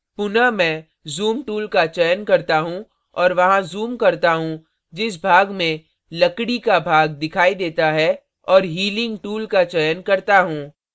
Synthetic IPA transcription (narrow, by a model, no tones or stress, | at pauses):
pʊnamɛ̃ː | zuːmʈuːlkat͡ʃɛjənkɐɾt̪aɦũ | ɔːɾʋɐɦãzuːmkɐɾt̪aɦũ | d͡ʒɪs̬bʱaːɡmẽ | lɐkɽikabʱaːɡ̚d̪ɪkʰaːid̪eːt̪aɦɛ | ɔːɾɦiːlɪ̃ŋɡʈuːlkat͡ʃɛjənkɐɾt̪aɦũː